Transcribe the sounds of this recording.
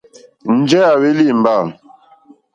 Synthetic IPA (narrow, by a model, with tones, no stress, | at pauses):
n̩˦d͡ʒɛ˦a˨we˦li˦˨m̩˨ba˦˨l